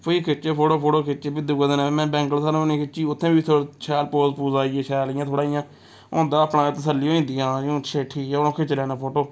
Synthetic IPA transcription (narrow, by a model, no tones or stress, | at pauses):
poiːkʰɪt͡ʃeːpʰoːʈoːpʰoːʈoːkʰɪt͡ʃeːbid̪uɡod̪enãːmɛ̃ːbɛ̃ːŋɡəlsaːnũːnĩːkʰɪt͡ʃiːʊt̪ʰːẽːbiːt̪ʰoːt͡ʃʰɛːlpoːzpuːzaːieːt͡ʃʰɛːlɪjãːt̪ʰoːɽaːijãː | õ̰ːnd̪aːəpnaːt̪əsəlːioːĩːnd̪ɪjãːõːt͡ʃʰeːʈʰiːʊnõːkʰɪt͡ʃlɛːnaːpʰoːʈoː